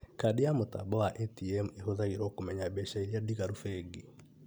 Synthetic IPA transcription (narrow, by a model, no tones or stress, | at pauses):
kadejamota̰bɔwaʔɛtiɛmehoðaɣeɾɔkomɛɲabɛʃaeɾiadiɣaɾufɛɡe